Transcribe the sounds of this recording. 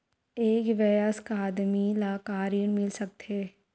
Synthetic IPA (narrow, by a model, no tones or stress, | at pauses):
eːkʋɛjəskaːd̪milaːkaːɾiəɳmɪlsək̚t̪eː